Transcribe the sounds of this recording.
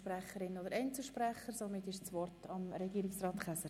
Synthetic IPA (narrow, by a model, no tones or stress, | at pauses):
ʃpɾæχəɾɪnod̪əɾɛɪnt͡səlˠʃpræχəɾsomɪtɪʃt͡svɔrtʰɑmɾɛɡiːɾɪksrɑːt̪χæsəɾ